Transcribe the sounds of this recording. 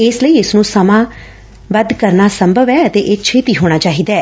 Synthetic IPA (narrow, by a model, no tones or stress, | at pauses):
ɪsləiːɪsnũːsəmãː | ʋəd̪kəɾnaːsəmbʱəʋɛːət̪eːʔeːt͡ʃʰeːt̪iːɦoːɽ̃aːt͡ʃaːɦiːd̪aːɛː